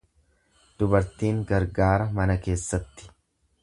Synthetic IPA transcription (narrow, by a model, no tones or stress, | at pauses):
d̪̥ʊbɐɾt̪iːŋɡɐɾɡaːɾɐmɐnɐke̞ːsːɐt̪ːɪ̥